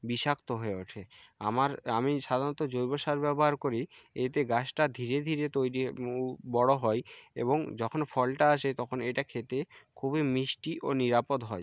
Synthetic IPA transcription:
biʃakt̪oɦoeoʈʰeamaɾamiʃad̪ʱanɔt̪od͡ʑojboʃaɾbɛboɦaɾkoɾiet̪eɡasʈad̪ʱiɾed̪ʱiɾet̪ojɾibɔɽoɦɔeḛboŋd͡ʑɔkʰonfɔlʈaaʃet̪ɔkʰoneʈakʰet̪ekʰubemiʃʈiʔoniɾapod̪ɦɔe

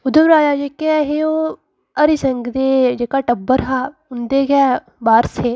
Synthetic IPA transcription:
ʊd̪əbɾaːd͡ʒaːd͡ʒeːkeɛɦeːoː | əɾɪsəŋɡd̪eːd͡ʒeːkaːʈəbəɾɦaːʊnd̪eːɡɛː | baːɾseː

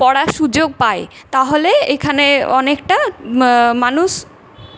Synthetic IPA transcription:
pɔɽaʃud͡ʑoɡ̚pae | t̪aɦoleekʰaneɔnekʈa | manuʃ

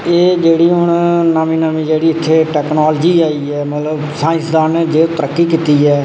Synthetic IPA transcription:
eːd͡ʒeːɽiːɦʊɳnəmĩːnəmĩːd͡ʒeːɽiːɪt̪ʰːeːʈɛːknaːld͡ʒiːaːiːɛːmət̪ləbsaːɪ̃nsd̪aːnɛd͡ʒeːt̪əɾəkːiːkiːt̪iːɛː

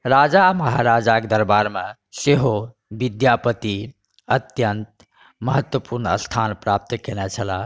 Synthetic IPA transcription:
ɾad͡ʒaməɦaɾad͡ʒakd̪əɾbaɾmẽ | seɦo | bid̪japət̪i | ət̪jənt̪̚ | məɦət̪wəpuɾnəə̰st̪ʰanpɾap̚t̪kenɛt͡ʃʰəla

